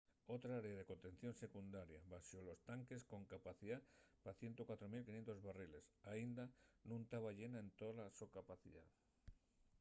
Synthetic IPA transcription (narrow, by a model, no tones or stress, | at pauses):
ot̪ɾaaɾeaðekont̪ẽn̟θjonsekund̪aɾjaβaʃolost̪aŋkeskõŋkapaθiðapaθjent̪okwat̪ɾomilkinjent̪ozβarilesaind̪anũnt̪aβaʎenaent̪oðlasokapaθiða̰ð